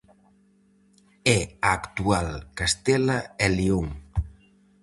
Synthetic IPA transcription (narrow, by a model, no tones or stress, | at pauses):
ɛaːkt̪ualkast̪ɛlaelioŋ